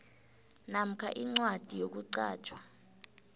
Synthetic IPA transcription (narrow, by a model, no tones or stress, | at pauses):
nam̩kʰaʔiŋ͡ǀwad̥ʱijok̬uǀa̰ːt͡ʃʰʼwa